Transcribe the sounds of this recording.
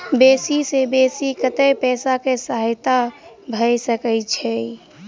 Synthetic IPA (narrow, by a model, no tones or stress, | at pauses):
besisebesikət̪əjpɛːsakesəɦjt̪a | bʱəjsəkət͡ʃʰɛ